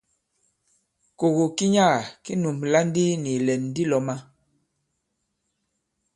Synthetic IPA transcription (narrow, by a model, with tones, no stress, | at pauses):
ko˨ɣo˨ki˦ɲa˦˨ki˦nu˨mla˦ndi˦ni˨lɛ˨n˨di˦lɔ˨ma˦